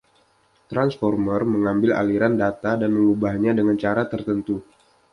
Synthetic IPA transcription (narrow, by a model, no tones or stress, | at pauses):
t̪ɾansfɔrmərməŋambɪla̰liɾandat̪adanməŋubahɲadəŋant͡ʃaɾat̪ərt̪ənt̪u